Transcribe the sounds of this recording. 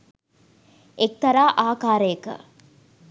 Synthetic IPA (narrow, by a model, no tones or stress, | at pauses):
ek̚t̪ɐɾaːʔaːkaːɾəjəkə̰